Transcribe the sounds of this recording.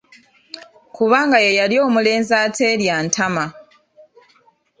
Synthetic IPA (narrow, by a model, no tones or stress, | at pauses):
kuβaːŋɡajejalio̞ːmule̞ːnzaːtʰe̞ːljaːntʰama